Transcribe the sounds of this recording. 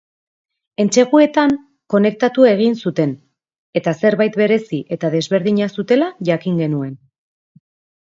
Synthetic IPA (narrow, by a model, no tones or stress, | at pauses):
e̞nt͡ʃe̞ɣue̞t̪aŋ | ko̞ne̞k̚t̪at̪ue̞ɣ̞insut̪e̞n | e̞t̪ase̞ɾβajt̪be̞ɾe̞siʔe̞t̪aðe̞zβe̞ɾðiɲasut̪e̞laʝakiŋɡe̞nue̞n